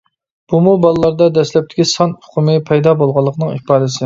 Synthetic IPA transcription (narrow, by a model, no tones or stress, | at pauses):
b̥umubɑlˠɨlːˠɑɾd̪ɑd̪ɛslɛp̚t̪ʰɪkʲʰisɑnʊ̥qʰʊmɨpʰɛjd̪ɑbolˠʁɑlˠːəqʰnɨŋipɑːd̪ɨsɪ